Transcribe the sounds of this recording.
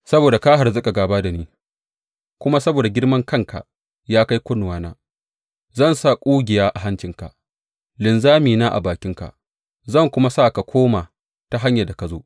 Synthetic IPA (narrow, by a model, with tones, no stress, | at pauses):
sɐ˦boː˨da˨kaː˦ɦa˨rzʊ˦ka˨ɡaː˨baː˦da˨niː˦ | kʷʊ˦ma˦sɐ˦boː˨da˨ɡʲɪ˦rmɐ˦ŋkɐ˦˨ŋkʰa̰˨ | jaː˦ka˦jkʷʊ˦nʊ˨waː˨˦naː˦ | zɐ˦˨nsa˦˨kʷʼuː˦ɡʲɪ˨jaː˦ʔa˨ɦa˦nt͡ʃɪ˨ŋka˨ | lɪ˨nzaː˦miː˨naː˦ʔa̰˨baː˨kʲɪ˦ŋka̰˨ʔ | zɐ˦˨ŋkʷʊ˦ma˦sa˦˨ka˨kʷoː˦maː˨ | ta˨ɦa˦ɲja˨da˨ka˨zoː˦ʔ